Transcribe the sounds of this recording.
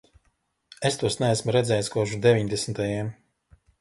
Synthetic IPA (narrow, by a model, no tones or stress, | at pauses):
est̪uɔsnɛæsmuɾɛd̪zɛːjskuɔʒud̪evʲiɲd̪ɛsnt̪ajɛm